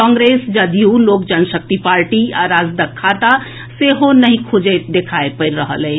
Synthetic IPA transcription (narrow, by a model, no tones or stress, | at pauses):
kɔ̃ŋɡɾesd͡ʒəd̪julokd͡ʒənsək̚t̪ipaɾʈiaɾad͡ʒd̪əkʰːat̪a | seɦonəɦĩkʰud͡ʒət̪̚d̪ekʰaepəɪɾɾəɦə̰lɛ